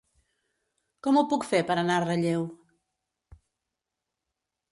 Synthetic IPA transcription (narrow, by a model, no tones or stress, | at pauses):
kɔmupukfeɾpəɾənarəʎew